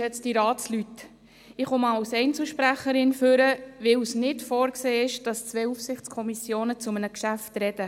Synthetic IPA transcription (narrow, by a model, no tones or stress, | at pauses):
ɛt͡sd̥iɾɑːt͡slyt | ɪχomɑːawsɛɪnt͡sl̩ʃpɾæχəɾɪnføɾəʋɪwsnɪtfoːɾkseːɪʃd̥ɑst͡sʋɛufsɪχt͡skʰɔmisjoːnət͡sʊmənəkʃæftɾɛd̥ə